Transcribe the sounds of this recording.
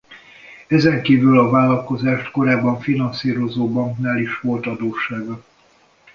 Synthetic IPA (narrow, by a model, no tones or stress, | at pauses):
ɛzɛŋkiːvylɒvaːlːɒlko̞zaːʃt̪ko̞ɾaːbːɒɱfinɒnsiːɾo̞zoːbɒŋknaːliʃʋo̞lt̪ɒd̪oːʃːaːɡɒ